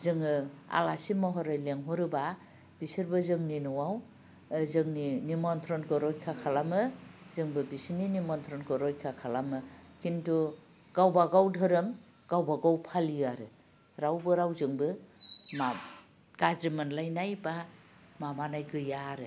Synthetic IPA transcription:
zɯŋɯa̰lasimɔɦɔɾajleŋɦɔɾɯba | b̥isɯɾbɯzɯŋninɔwaw | zɯŋninimɔnt̪ʰɾɔnkʰɯɾɔjkʰakʰalamɯzɯŋbɯbisininimɔnt̪ʰɾɔnkʰɯɾɔjkʰakʰalamɯkʰintu | ɡ̥awbaɡawdʱɯɾɯm | ɡ̥awbaɡawpʰaliaɾɯ | ɾawbɯɾawzɯŋbɯma | ɡ̥azɾimɯnlajnajba | mamanajɡɯjaɾɯ

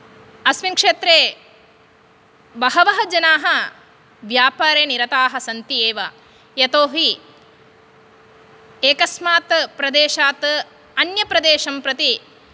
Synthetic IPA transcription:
ɐsmiŋkʂeːt̪ɾeː | bɐɦɐʋɐɦɐd͡ʒɐnaːɦɐ | ʋjaːpaːɾeːniɾɐt̪aːɦɐ̆sɐnt̪ieːʋɐ | jɐt̪oːɦi | eːkɐsmaːt̪pɾɐd̪eːʃaːt̪ | ɐnjɐpɾɐd̪eːʃɐmpɾɐt̪i

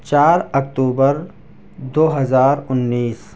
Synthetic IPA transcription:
t͡ʃaːɾɐk̚t̪uːbəɾ | d̪oːɦɐzaːɾʊnːiːs

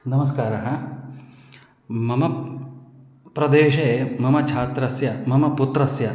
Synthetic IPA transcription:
nɐmɐs̬kaːɾɐɦɐ | mɐmɐ | pɾɐd̪eːʃemɐmɐt͡ʃʰaːt̪ɾɐsjɐmɐmɐput̪ɾɐsjɐ

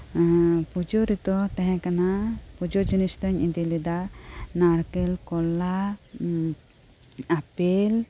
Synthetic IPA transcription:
pud͡ʒɔɾit̪ɔt̪ɛ̃ɦɛ̃kanapud͡ʒɔd͡ʒunist̪ɔɲid̪ilid̪anaɽkɛlkɔla | apɛl

